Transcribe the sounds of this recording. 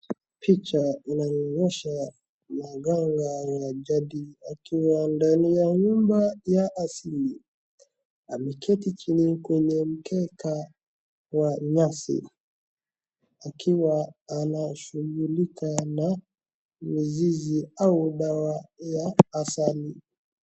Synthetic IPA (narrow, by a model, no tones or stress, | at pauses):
pʰit͡ʃainaɔŋɡɔʃa | maɡaŋɡajaʄaɗiakʰiwandanijaɲumbajaʔːsili | amɛkʰɛtit͡ʃinikwɛɲɛm̩kɛkʰa | waɲasḭ | akʰiwaːnaʃuɡulikana | miziziauɗawajaːsali